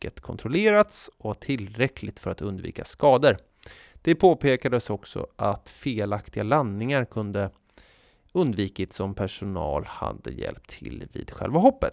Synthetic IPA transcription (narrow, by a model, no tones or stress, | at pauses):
ət̪kʰɔnt̪ʰɾɔleːɾat̪sɔvaʈʰɪlɾɛkʰlɪɡt̪fœɾat̪ɵnd̪vḭːkaskɑːd̪əɾ | d̪̥ɛpʰoːpʰeːkad̪əsɔksɔ̰ʔat̪feːlakt̪ɪɡalanːɪŋaɾkʰɵnd̪ə | ɵnd̪viːkɪt̪sɔmpʰæʂʊnɑ̰ːlha̰d̪ːəjɛ̰lp̚t̪ʰːɪ̰lvḭːd̪̥ɧɛ̰lvaɦɔpːət̪